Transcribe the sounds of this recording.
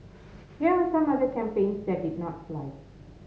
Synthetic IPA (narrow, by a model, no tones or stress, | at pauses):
hɛwəsʌ̃mʌðəkʰæ̃mpẽɪ̃nsðɛt̚dɪdⁿnɔtflaɪ